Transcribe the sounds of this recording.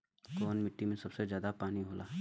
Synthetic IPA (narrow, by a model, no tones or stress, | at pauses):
koːnmɪʈːimẽsɐbsezjaːd̪apaːniɦoːlaː